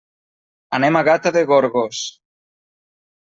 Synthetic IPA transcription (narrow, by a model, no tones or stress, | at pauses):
anemaɣat̪aðeɣoɾɣos